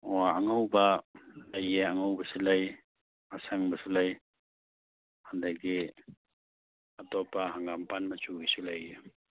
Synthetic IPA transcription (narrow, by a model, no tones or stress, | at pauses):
ɔaaŋawbalajeaŋawbasilaj | asaŋbasilaj | handaɡi | atɔpaɦaŋɡampanmat͡ʃuɡisulaje